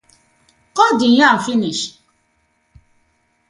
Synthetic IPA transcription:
kɔdij̃ãm̩finiʃ

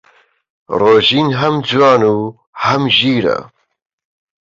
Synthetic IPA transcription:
roːʒiːnɦɐmd͡zwaːnuː | hɐmʒiːɾa̰

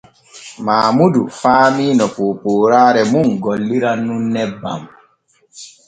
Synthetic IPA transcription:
maːmudufaːmiːnɔpoːpoːɾaːɾɛmuŋɡɔlːiɾanunːɛba̰m

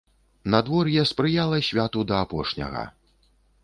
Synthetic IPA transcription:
nad̪vɔrjɛspɾɨjalˠɐɕʲvʲat̪ud̪ɐapɔʂnʲɐ̰ɣɐ̰

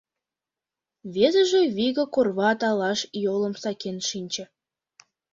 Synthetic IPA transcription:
βezə̆ʒĕβiɣə̆korβɑːt̪ɑlɑʃjolə̆msɑkenʃinʲt͡ɕə̆

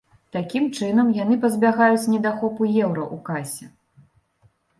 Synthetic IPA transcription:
t̪akʲimt͡ʂɨnɐmjanɨpɐzʲbʲaɣajut͡sʲnʲɛd̪axɔpujɛwɾɐʔukasʲɛ

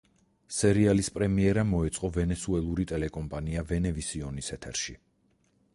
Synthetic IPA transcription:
sɛɾialispʼɾɛmiɛɾamɔɛt̪sʼqʼɔvɛnɛsuɛlˠuɾit̪ʼɛlɛkʼɔmpʼaniavɛnɛvisiɔnisɛt̪ʰɛɾʃi

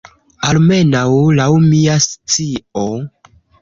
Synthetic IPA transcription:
alme̞nawlawmiast͡sio

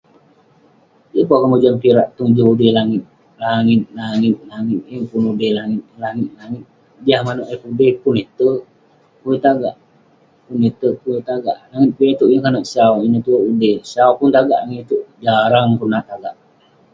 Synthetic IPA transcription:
jəpɔkəmud͡ʒanpiɾaʔt̪uŋd͡ʒuudehlaŋɪt̪̚ | laŋɪt̪̚laŋɪt̪̚laŋɪt̪̚jəpunudehlaŋɪt̪̚laŋɪt̪̚laŋɪt̪̚ | diahmanoʔepudehpunet̪ə | uet̪aɡaʔ | punet̪əpuet̪aɡa̰ʔlaŋɪt̪̚bet̪uʔjəkanoʔsawinət̪uoʔudehsawpunt̪aɡa̰ʔaŋit̪uʔd͡ʒaɾaŋkunat̪aɡaʔ

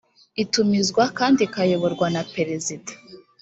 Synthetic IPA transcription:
itumizɡwakaːndikajo̞βo̞ɾɡwanapeɾezidḁ

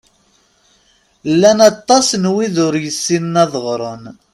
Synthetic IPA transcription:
lːænɑt̪ˤːɑsnwiðʊɾjəsːinnæðˤʁɾˤon

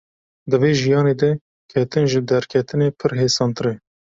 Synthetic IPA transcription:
d̪ɨveːʒijɑːneːd̪ɛ | kʲʰɛt̪ɨnʒɨd̪ɛɾkʲʰɛt̪ɨneːpʰɨɾɦeːsɑːnt̪ɾe

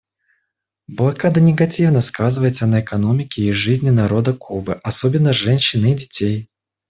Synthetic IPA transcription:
blˠɐkad̪ənʲɪɡɐtʲivnəskazɨvəjɪt̪sənəɛkɐno̞mʲɪkʲɪːʐɨzʲnʲɪnɐɾo̞d̪əkʰubɨʔɐsobʲɪnːəʐɛnʲɕːɪnɨdʲɪtʲej

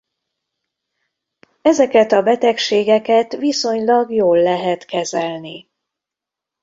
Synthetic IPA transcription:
ɛzɛkɛt̪ɒbɛt̪ɛkʃeːɡɛkɛt̪viso̞ɲlɒɡjoːlːɛɦɛt̪kɛzɛlni

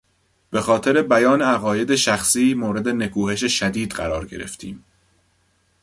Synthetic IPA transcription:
b̥e̞xɒːt̪ʰe̞ɾe̞bæjɒːneæɣɒːje̞d̪e̞ʃæxsiːmoːɾe̞d̪ene̞kʰuːhe̞ʃeʃæd̪iːd̪ɢæ̰ɾɒːɾɟe̞̰ɾe̞̰ft̪ʰḭːm

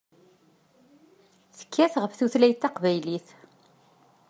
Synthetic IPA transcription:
θə̥kːæθʁəfθuθlæjt̪ːɑqvæjliθ

